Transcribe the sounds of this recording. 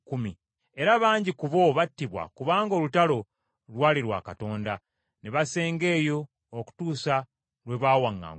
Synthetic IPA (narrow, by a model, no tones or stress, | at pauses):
kumi | e̞ɾaβaːɲɟikuβo̞βatːiβwa̰kuβaːŋɡo̞ːlutalo̞ | lwaːliɾwa̰kato̞ːnda | neβase̞ːŋɡe̞ːjo̞ː | ku̥tuːsa | lwe̞βaːwaŋːa̰ːŋɡ